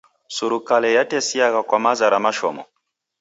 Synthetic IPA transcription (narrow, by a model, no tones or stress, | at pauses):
suɾukalɛjatɛsiakakwamazaɾamaʃɔ̰mɔ